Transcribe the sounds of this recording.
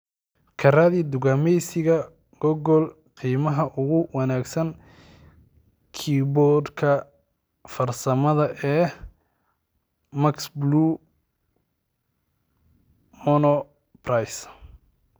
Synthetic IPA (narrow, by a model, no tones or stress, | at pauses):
kʰɐraðid̪ʊɣamɛjsɪɣɐ | ɡ̥ɔɣɔl | qiːmɐɦɐʔʊɣʊwɑnaːɡsɐn | kʰibɔd̪kʰɐ | fɐrsɐmɐðɐʔɛː | mɐksbluː | mɔnɔ | prɐjs